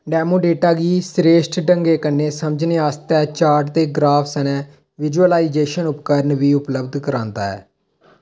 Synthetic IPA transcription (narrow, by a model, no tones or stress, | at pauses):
ɖɛːmoːɖeːʈaːɡiːsɾeːʃʈɖəŋɡeːkənːeːsəmd͡ʒneːaːst̪ɛːt͡ʃaːɾʈd̪eːɡɾaːfʰsɛnɛ̃ː | ʋɪd͡ʒuəlaːiːd͡ʒeːʃənʊpkəɾnʋiːʊpləbd̪kəɾãːnd̪a̰ːɛ̰ː